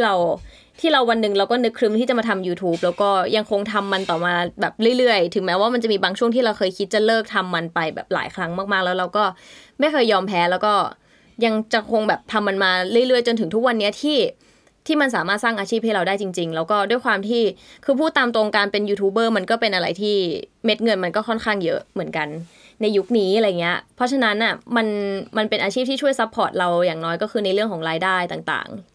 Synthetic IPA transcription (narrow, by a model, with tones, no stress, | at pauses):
i˥˩ɾa˧w | t̪ʰiː˥˩ɾa˧wa˧nːɯ˨˩ŋɾa˧wkɔː˥˩nɯ˦˥kʰɾɯ˦˥mt̪iː˥˩t͡ɕa˨˩ma˧t̪ʰa˧mjuː˧t̪ʰuː˦˥p̚lɛː˦˥wkɔː˥˩ja˧ŋkʰo˧ŋt̪ʰa˧mːa˧nt̪ɔː˨˩maː˧bɛː˨˩p̚ɾɯ˥˩jɾɯ˥˩əjt̪ʰɯ˩˦ŋmɛː˦˥waː˥˩ma˧nt͡ɕa˨˩miː˧baː˧ŋt͡ɕʰu˥˩əŋt̪ʰiː˥˩ɾa˧wxʰɤː˧jkʰi˦˥t̪̚t͡ɕa˨˩lɤː˥˩k̚t̪ʰa˧mːa˧npa˧jbɛ̰ː˨˩p̚la̰ː˩˦jkʰɾa˦˥ŋmaː˥˩k̚maː˥˩k̚lɛ˦˥wɾa˧wkɔː˥˩ma˥˩jkʰɤː˧jːɔː˧mpʰɛː˦˥lɛː˦˥wkɔː˥˩ | ja˧ŋt͡ɕa˨˩kʰo˧ŋbɛː˨˩p̚t̪ʰa˧mːa˧nmaː˧ɾɯ˥˩əjɾɯ˥˩əjt͡ɕo˧nt̪ʰɯ˩˦t̪ʰu˦˥k̚wa˧nːi˦˥ɐt̪ʰiː˥˩ | t̪ʰiː˥˩ma˧ns̬aː˩˦maː˥˩t̪̚saː˥˩ŋʔaː˧t͡ɕʰiː˥˩p̚ha˥˩ɾa˧wdaː˥˩jt͡ɕi˧ŋt͡ɕi˧ŋlɛː˦˥wkɔː˥˩du˥˩əjkʰwaː˧mt̪ʰiː˥˩kʰɯː˧pʰuː˥˩t̪aː˧mt̪ɾo˧ŋkaː˧npe˧njuː˧t̪ʰuː˦˥bɤː˥˩ma˧nkɔː˥˩pe˧nʔa˧ɾa˧jt̪ʰiː˥˩me˦˥t̪̚ŋɤ˧nma˧nkɔː˥˩kʰɔ˥˩nkʰaː˥˩ŋjɤ˦˥mɯ˩˦ənka˧nː | a˧jːu˦˥k̚niː˦˥aɾa˧jːa˨˩ŋːi˦˥ɐpʰɔ˦˥t͡ɕʰa˧na˦˥nʔa˥˩ma˧nma˧npe˧nʔaː˧t͡ɕʰiː˥˩p̪̚ʰiː˥˩t͡ɕʰu˥˩əjsa˦˥pʰːɔː˨˩t̪̚ɾa˧wjaː˨˩ŋnɔː˦˥jkɔː˥˩kʰɯː˧na˧jɾɯ˥˩əŋkʰɔː˩˦ŋɾaː˧jdaː˥˩jt̪aː˨˩ŋt̪a̰ː˨˩ŋ